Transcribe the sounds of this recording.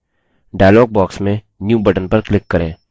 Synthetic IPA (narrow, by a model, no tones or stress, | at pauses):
ɖaːjlɔːɡ̚bɔːksmẽ | njuːbəʈənpɐɾklɪkːɐɾḛ̃ː